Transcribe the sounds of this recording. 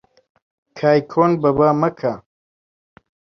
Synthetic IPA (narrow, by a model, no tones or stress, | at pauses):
kʰaːjkʰoːnbɐbaːmɐkʰa